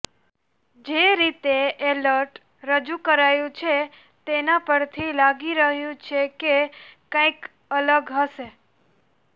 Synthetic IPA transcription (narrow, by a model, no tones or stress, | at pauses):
d͡ʒeɾit̪eʔeləɾʈ | ɾəd͡ʒukəɾajũt͡ʃʰe | t̪enapəɾt̪ʰilaɡiɾəɦjũt͡ʃʰekekãik | ələɡɦəʃe